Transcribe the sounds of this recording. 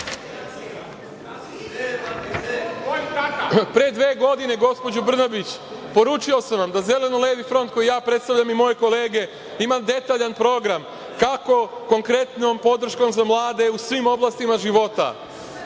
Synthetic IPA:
pɾeed̪ʋeːɡo̞d̪ine̞ɡo̞spo̞d͡ʑubr̩nabit͡ɕ | po̞ɾuːt͡ʃio̞samʋamd̪aze̞le̞noleʋifɾo̞nt̪̚ko̞jijaːpɾet̪st̪aʋʎʲamimo̞je̞ko̞le̞ːɡe̞ | imad̪e̞t̪aːʎanpɾo̞ɡɾam | kako̞ko̞ŋkɾe̞t̪no̞mpo̞d̪r̩ʃko̞mzamlˠaːd̪e̞usʋimo̞blˠast̪imaʒiʋo̞t̪a̰

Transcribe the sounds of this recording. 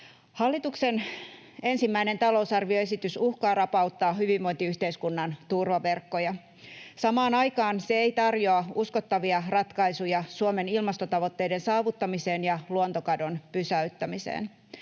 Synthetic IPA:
hɑlːit̪ukse̞n | e̞nsimːæine̞nt̪ɑlo̞usɑrʋioe̞sit̪ysuhkɑːrɑpɑut̪ːɑːɦyʋiʋːo̞int̪iyht̪eiskunːɑnt̪urʋɑʋe̞rkːo̞jɑ | sɑmɑːnɑjkɑːnseejt̪ɑrjoɑusko̞t̪ːɑʋiɑrɑt̪kɑisujɑsuome̞nilmɑst̪o̞t̪ɑʋo̞t̪ːe̞jde̞nsɑːʋut̪ːɑmise̞ːnjɑluont̪okɑdo̞npysæyt̪ːæmisḛːn

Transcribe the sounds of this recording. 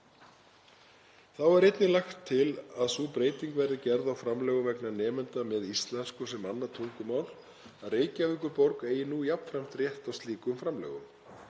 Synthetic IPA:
θawɛɾejt̪nɪlaxt̪ʰːɪlaðsuːpɾeːjt̪iŋkvɛɾðɪcɛɾðawfɾamlɛɣʏvɛknanɛːmɛnt̪amɛðist̪lɛnskʏsɛmanːat̪ʰuŋkʏmawl | aðreːjcaːvɪhkʏɾpɔɾkeːjɪnuːjapn̥fɾam̥t̪rjɛht̪awst̪liːkʏmfɾamlɛ̰ːɣʏm

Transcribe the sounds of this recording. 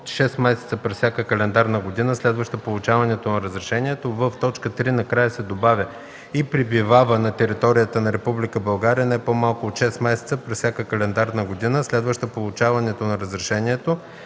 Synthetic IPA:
t̪ʃɛsmɛsɛ̥t̪səpɾɛssʲakəkɐlɛnd̪aɾnɐɡod̪inəslɛd̪vəʃt̪əpolˠʊt͡ʃavɐnɛt̪onɐɾəzɾɛʃɛnʲiɛt̪ovəft̪ɔt͡ʃkət̪ɾinɐkɾajəsɛd̪obavʲjə | ipɾibivavənɐt̪ɛɾit̪ɔɾijət̪ənɐɾɛpublʲikəbɐlˠɡaɾijənɛpomalˠkoːt̪ʃɛsmɛsɛ̥t̪səpɾɛssʲjakəkɐlɛnd̪aɾnɐɡod̪inəslɛd̪vəʃt̪əpolˠʊt͡ʃavɐnɛt̪onɐɾəzɾɛʃɛniɛt̪o

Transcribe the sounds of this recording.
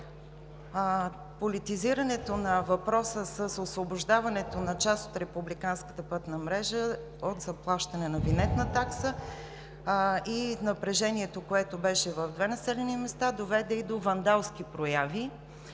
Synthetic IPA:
polit̪iziɾɐnɛt̪onɐvɐpɾɔsəsəsosvoboʒd̪avɐnɛt̪onɐt͡ʃast̪ot̪ɾɛpublikanskə̥t̪əpɤt̪nəmɾɛʒə | ot̪zɐplˠaʃt̪ɐnɛnɐvinɛt̪nət̪aksə | inɐpɾɛʒɛniɛt̪okoɛt̪obɛʃɛvəvd̪vɛnɐsɛlɛnimɛst̪ad̪ovɛd̪ɛid̪ovɐnd̪alˠskipɾojavi

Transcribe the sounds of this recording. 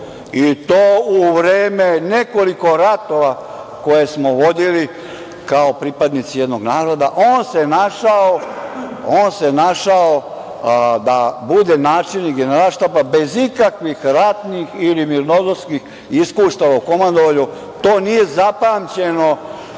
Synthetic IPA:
it̪oːuʋɾeːme̞ne̞ko̞liko̞ɾat̪o̞ʋa | ko̞jesmoʋo̞d̪ili | kaopɾipad̪nit̪sijed̪no̞ɡnaːɾo̞d̪aʔoːnse̞naʃao | oːnse̞naʃao | d̪abud̪e̞naːt͡ʃiniɡeneɾalʃt̪apabe̞zikakʋixɾat̪nixilimiɾnozoskix | iskuːʃt̪aʋoko̞mand̪oʋaʎu | t̪oːnije̞zapaːmt͡ɕeno̞

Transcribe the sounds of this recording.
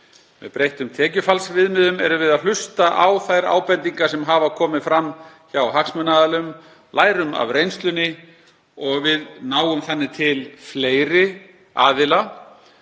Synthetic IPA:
vɪ̰ðpɾejht̪ʏmt̪ʰɛːcʏfalsvɪðmɪðʏmɛɾʏvɪðaðlʏst̪aʔawθajɾa̰ːwpɛnt̪iŋkasɛmɦavakʰɔːmɪfɾamː | çawɦaksmœnaðalʏm | lʔaːjɾʏma̰vɾejnst̪lʏnːɪ | ɔɣvɪðnaːwʏmθɛnːɪt̪ʰɪlfleːjɾɪ | aːðɪla

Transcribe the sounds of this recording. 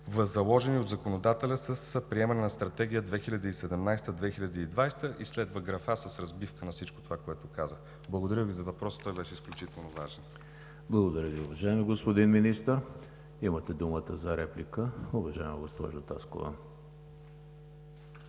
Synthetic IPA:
vɐzːɐlˠɔʒɛniod̪zɐkonod̪at̪ɛlʲəsəspɾiɛmɐnɛnɐst̪ɾɐt̪ɛɡ̟ʲijəd̪vɛxilʲəd̪iːsɛd̪ɛmnajst̪əd̪vɛxilʲɐd̪iːd̪vajst̪əʔislɛd̪vəɡɾɐfasəsɾɐzbifkənɐfsit͡ʃko̥t̪ovakoɛt̪ʊkazə | blˠɐɡod̪ɐɾjəvizɐvɐpɾɔsə̥t̪ɔjbɛʃɛisklʲut͡ʃit̪ɛlˠnovaʒɛn | blˠɐɡod̪ɐɾʲəviʊvɐʒaɛmiɡospod̪inminist̪əɾ | imət̪ɛd̪umət̪əzɐɾɛplʲikəʊvɐʒaɛmɐɡospɔ̰ʒʊt̪a̰sko̰va̰n

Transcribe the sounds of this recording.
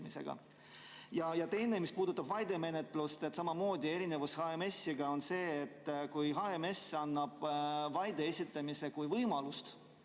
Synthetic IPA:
misḛɡ̥ɑ̰ | jɑjɑt̪e̞jne̞mispuːd̪ut̪ːˑɑbvɑjd̪e̞me̞ne̞t̪ˑlust̪e̞t̪sɑmɑmo̞ːd̪ʲie̞ɾine̞vushɑeme̞sʲːiɡ̥ɑo̞nse̞ːt̪ːkujɦɑemesɑnːɑb̥vɑjd̪e̞esʲit̪ˑːɑmise̞kujvɤjmɑlust̪

